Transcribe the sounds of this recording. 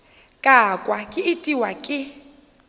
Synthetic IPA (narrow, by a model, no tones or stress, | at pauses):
kʼakʼwakʼɪɪtʼiwakʼɪ